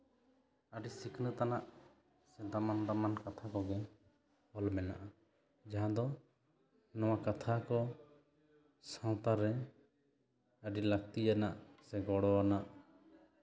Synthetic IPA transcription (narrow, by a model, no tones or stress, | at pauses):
əɖisikʰnət̪anaʔ | sɛd̪amand̪amankat̪ʰakɔɡɛ | ɔlmɛna̰ʔa | d͡ʒaɦãd̪ɔ | nɔwakat̪ʰakɔ | sãwt̪aɾːɛ | əɖilək̚t̪ijanaʔsɛɡɔɽɔwanaʔ